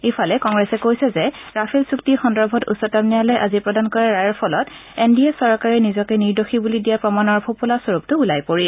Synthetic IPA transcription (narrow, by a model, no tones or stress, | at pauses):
efʰalɛkɔŋɡɹɛsɛkojsɛzɛ | ɹapʰɛlsuk̚tixɔndɔɹbʱɔtṵsɔtamnijalɔjʔazipɹɔdankɔɹɛɹajɔɹpʰɔlɔt | endiɛsɔɹkaɹinizɔkɛniɹdoxibulidijapɹɔmanɔɹpʰopulasoɹup̚tʊulajpoɹi